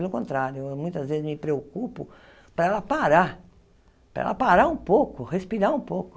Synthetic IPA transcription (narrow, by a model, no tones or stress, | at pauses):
elʊkõnt̪ɾaɾjʊemũj̃t̪ɐzvezɪzmɪpɾeokupʊ | pɾɐɛlɐpaɾaɾ | pɾɐ̰ɛ̰lɐpaɾaɾũpokʊhespiɾaũpowkʊ